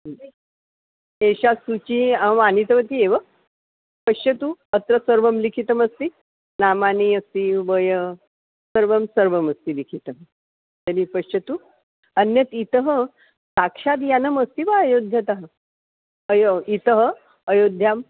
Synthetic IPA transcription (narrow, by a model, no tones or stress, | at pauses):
eɕasut͡ɕimanit̪əʋət̪ieʋə | pəɕɐt̪uət̪ɾəsəɾʋəmlikʰit̪əməst̪i | namaniəst̪iʋəjə | səɾʋəmsəɾʋəməst̪ilikʰit̪əm | t̪əɾipəɕət̪u | ənjət̪it̪əɦə | sakʂat̪̬janəməst̪iʋaəjod̪ʱjət̪aɦə | əjoit̪əɦəː | jod̪ʱjam